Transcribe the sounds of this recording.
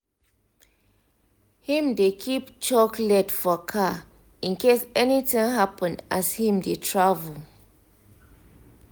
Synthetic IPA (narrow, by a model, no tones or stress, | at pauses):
hĩmdekʰipt͡ʃɔklɛdfɔkʰa | ĩnkesɛnitĩŋɦapə̃nʔashĩmdetʰɹavəl